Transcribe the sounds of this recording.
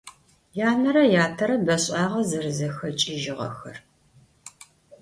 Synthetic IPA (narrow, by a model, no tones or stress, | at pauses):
jaːnɐɾɐjaːtʰɐɾɐbɐɕʼɑːʁɐzɐrɨzɐxɐt͡ʃʼɪʒɪʁɐ̰xɐ̰r